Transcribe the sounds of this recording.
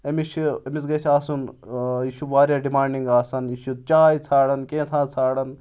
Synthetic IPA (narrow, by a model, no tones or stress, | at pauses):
ɐmiʃʰɐmizɡɐsʰʲaːsunjiːʃuʋaːɾʲjaːɖimaːɳɖiŋɡaːsɐnjiːʃut͡ʃaːjit͡sʰaːɽɐnkẽːt̪ʰãːt͡sʰaːɽɐn